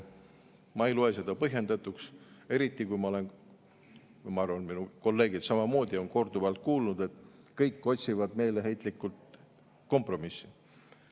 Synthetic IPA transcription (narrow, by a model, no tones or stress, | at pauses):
mɑeijluese̞d̪̥ɑpɤɦje̞nd̪ɑt̪ːˑukse̞ɾit̪ˑːikujmɑo̞le̞n | mɑɑɾrvɑnminuko̞lːe̞ːɡ̥id̪̥sɑmɑmo̞ːd̪̥ʲio̞nko̞rd̪̥ubeɑlt̪̚kuːlnud̪̥e̞t̪ˑkɤjkˑːo̞t̪ʲsivɑd̪̥me̞jleɦe̞jt̪ˑlikːˑult̪ | ko̞mpro̞misːi̥